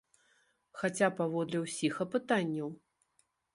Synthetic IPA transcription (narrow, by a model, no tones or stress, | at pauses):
xat͡sʲapavɔd̪lʲɛwsʲixɐpɨt̪anʲːɐw